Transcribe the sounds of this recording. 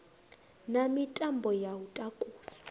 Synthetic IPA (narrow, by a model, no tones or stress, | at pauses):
namitʼambʱɔjawutʼakʼuːsḁ